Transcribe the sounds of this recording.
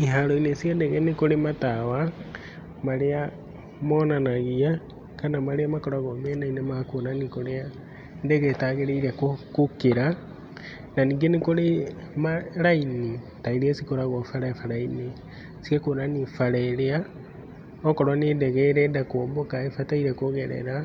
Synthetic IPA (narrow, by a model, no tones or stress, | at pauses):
iɦaɾɔinesiadɛɣɛnekoɾematawa | maɾea | mɔnanaɣia | kanamaɾeamakɔɾaɣɔmɛnainemaakonanikoɾea | ndɛɣɛtaːɣeɾeiɾɛkokokeɾa | nanĩːŋɡenekoɾe | maɾaine | taiɾeɛsikoɾaɣɔfaɾafaɾaine | sikɛkoːnanifaɾɛɾea | ɔkɔɾwanendɛɣɛɾɛndakoːmbɔkaefataiɾɛkoɣɛɾɛ̰ɾa